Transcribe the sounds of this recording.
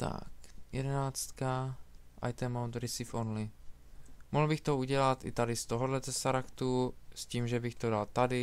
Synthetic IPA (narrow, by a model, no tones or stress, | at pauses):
t̪a̰kjɛ̰dɛnaːt͡st̪ka | ʔa̰jt̪ɛmowt̪ɾɪsɪfonlɪ | moɦl̩bɪxt̪ouɟɛlat̪ɪ̰t̪adɪst̪oɦodlɛzɛsaɾakt̪usciːmʒɛbɪxt̪odalt̪adɪ